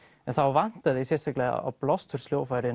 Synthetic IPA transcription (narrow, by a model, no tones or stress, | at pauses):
ɛnθawvan̥t̪aðɪisɛ̥sɛklɛ̰a̰plɔst̪hʏɾ̥sljoːwfajɾɪ